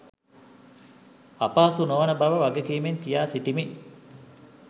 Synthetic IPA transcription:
apaːsunoʋnəbaʋəʋaɡekiːmeŋk̪ijaːsiʈimi

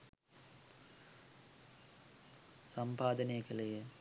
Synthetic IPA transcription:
sɐmpaːd̪ɐnekəlejə

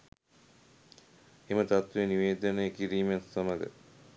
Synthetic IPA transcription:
emət̪at̪ʋeniʋeːd̪ənəjəkiɾiːmasɐməɡə̰

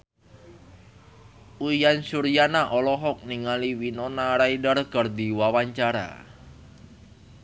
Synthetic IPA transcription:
ujansuɾijanaʔɔlɔɦɔk̚niŋaliwinɔnaɾaidərɡ̥ərd̪iwawaɲt͡ʃaɾa̰

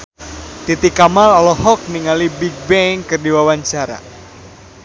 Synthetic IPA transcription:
t̪it̪ikamalɔlɔɦɔk̚niŋalibik̚bɛŋkɨrdiwawaɲt͡ʃaɾa̰

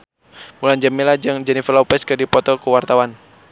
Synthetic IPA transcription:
muland͡ʒamilad͡ʒɨŋd͡ʒɛnifəlɔpɛskɨdipɔt̪ɔkuwart̪awan

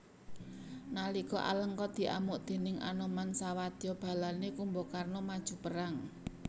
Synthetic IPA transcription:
naliɡɔʔa̰ləŋkɔt̪̚d̪̥i̤ʔamʊʔd̪̥e̤nɪŋa̰nɔmansawad̪̥jɔb̥a̤lanekumbokarnɔmad̥ʒ̥ṳpəɾaŋ

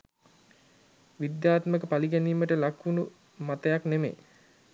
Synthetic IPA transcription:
ʋid̪jaːt̪məkəpaliɡɛniːməʈəlakunu | mat̪əjaknemḛ

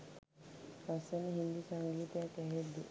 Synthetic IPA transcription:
asənɦind̪isaŋɡiːt̪jãkɛɦed̪e

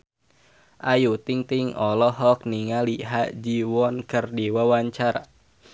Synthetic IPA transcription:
ʔajut̪iŋt̪iŋɔlɔɦɔk̚niŋaliɦaʔd͡ʒiwɔnkərdiwawaɲt͡ʃaɾa̰

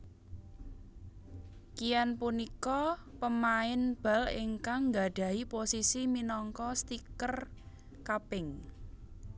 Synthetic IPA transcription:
kijanpunikɔpəmaɪnb̥a̤lɪŋkaŋŋɡa̤ɖ̥ä̤iposisiminɔŋkɔst̪ikər | kapɪŋ

